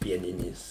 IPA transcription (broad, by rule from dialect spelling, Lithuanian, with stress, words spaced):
ˈpʲiɛnʲɪnʲeːs